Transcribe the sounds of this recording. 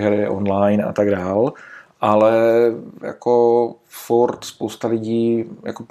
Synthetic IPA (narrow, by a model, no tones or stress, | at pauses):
ɦɛɾɪʔo̰nlajna̰t̪aɡdaːlʔalɛja̰ko | fuɾt̪spowst̪alɪɟiːja̰kop